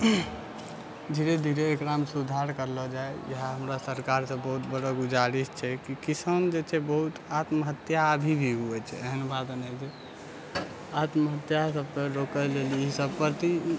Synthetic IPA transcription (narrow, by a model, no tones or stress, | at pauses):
d̪ʱiɾed̪ʱiɾeːkɾamsud̪ʱaɾkəɾlɔd͡ʒaejəɦaɦəmɾasəɾkaɾsə̃bəɦut̪bəɽɔɡud͡ʒaɾist͡ʃʰɛkikisənd͡ʒet͡ʃʰɛbəɦut̪at̪məɦət̪jabʱibʱiɦuɛt͡ʃʰɛ̰əɦənbad̪nɛd͡ʒe | at̪məɦət̪jasəbkəɾokəleliiɦsəbpəɾt̪i